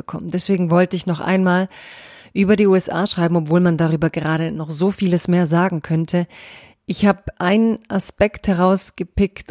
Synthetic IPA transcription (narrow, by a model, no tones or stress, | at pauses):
əkʰɔ̰məndɛsv̥eːɡŋ̩vɔltəɪçnɔχʔa̰ɪnmaːl | ʔyːbɐdiːuːɛsʔa̰ːʃʁ̥aɪbm̩ɔpv̥oːlmandaʁ̞yːbɐɡəʁaːɾənɔχz̥oːfiːləsmeːɐzaːɡŋ̩kʰœntʰə | ʔɪçhaːbəʔaɪnənʔaspɛkthɛʁ̞aʊsɡ̥əpɪkt